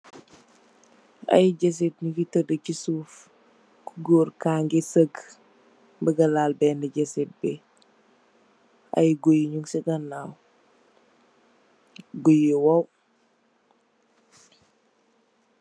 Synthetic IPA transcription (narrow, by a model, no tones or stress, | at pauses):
ɐ̰jɟɛs̬et̚ɲukitədəcisuf | kuɡoːrkaːŋɡɛsəɡ | mbəɡɐlaːlbɛːndəɟɛsɛt̚bɛ | ɐ̰jɡojiɲuŋsɛɡɐnːaw | ɡojiwɐw